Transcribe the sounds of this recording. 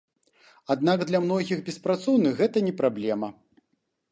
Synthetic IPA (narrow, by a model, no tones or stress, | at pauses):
ad̪̚naɡd̪lʲɐmn̪ɔɣʲiɣbʲɛspɾat̪sɔwnɨxːɛt̪ɐnʲɛpɾablʲɛmɐ